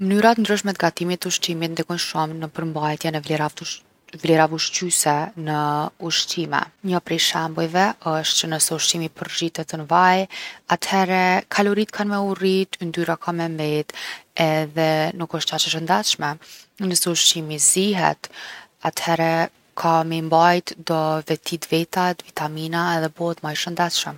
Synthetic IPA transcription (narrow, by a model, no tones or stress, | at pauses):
mənyɾat̪ənd̪ɾyʃmɛt̪ɡat̪imit̪uʃt̪imit̪̚nd̪ɛkɔnʃɔmnəpəɾmbajt̪jɛnɛvlɛɾa | vlɛɾavuʃt͡ʃysɛnəuʃtimɛ̰ɲəpɾɛʃɛmbujvɛəʃt̪t͡ʃənəsɛuʃtimipəɾʒit̪ɛt̪ənvajat̪hɛɾɛkʰalɔɾit̪kʰanmɛurit̪nd̪yɾakʰamɛmbɛt̪ɛðɛnukəʃt̪at͡ʃəʃ̬ənd̪at͡ʃʃmɛnəsɛuʃtimiziɦɛ̰t̪at̪hɛɾɛ | kʰamɛmbajt̪d̪ɔvɛt̪ʰid̪vɛt̪at̪vit̪aminaɛðɛbɔt̪majʃənd̪at̪ʃəm